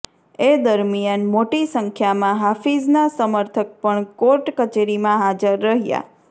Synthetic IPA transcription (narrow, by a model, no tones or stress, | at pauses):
ed̪əɾmijanmoʈisəŋkʰjamãɦafid͡ʒnasəməɾt̪ʰək̚pəɳkoɾʈkət͡ʃeɾimãɦad͡ʒəɾːəɦja̰